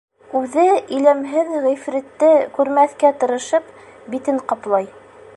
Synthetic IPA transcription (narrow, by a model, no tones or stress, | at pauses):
ʉðɘĭlæmɦɘðʁĭfɾɘ̆t̪ːɘkʉɾmæθkæt̪ɤ̆ɾɤ̆ʃɤp | bit̪ɘɴqɑplˠɑj